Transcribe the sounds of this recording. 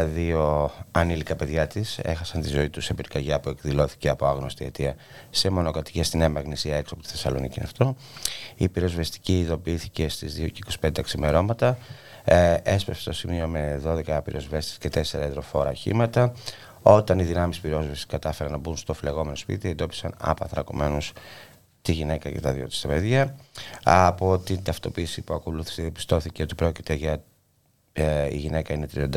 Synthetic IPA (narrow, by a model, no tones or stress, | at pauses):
ðio̞ɐnilikɐpe̞ðʝɐt̪ise̞̰xɐsɐnt̪izo̞it̪usebiɾkɐʝɐpue̞kðilo̞θi̥ce̞ɐpoɐɣno̞st̪iet̪iɐ | se̞mo̞no̞kɐt̪i̥cest̪ineɐmɐɣnisiɐe̞ksiopot̪i̥θesɐlo̞̰nicin̰ɐ̰ft̪o̞ | ipiɾo̞zvest̪i̥ciːðo̞piiθice̞st̪izðio̞ceiko̞si̥pend̪eksime̞ɾo̞mɐt̪ɐ | e̞spɾefse̥t̪o̞simio̞meðo̞ðe̞kɐpiɾʔo̞zve̞st̪i̥sce̞t̪e̞seɾɐeðɾo̞fo̞ɾɐ̰çḭmɐt̪ɐ | o̞t̪ɐniðinɐmispiɾo̞zvɐsi̥skɐt̪ɐfeɾɐnɐbunst̪ofle̞ɣo̞me̞no̞spḭt̪iend̪o̞pi̥sɐnɐ̰pɐ̰θɾɐko̞̰me̞nus | t̪iʝine̞kɐcet̪ɐðio̞t̪i̥st̪ɐpe̞ðʝɐɐpo̞t̪int̪ɐft̪o̞piːsipuɐko̞luθi̥seðiɐpi̥st̪o̞θiceo̞t̪ipɾo̞cit̪e̞ʝɐ | ḭʝine̞kɐine̞t̪ɾiond̪ɐ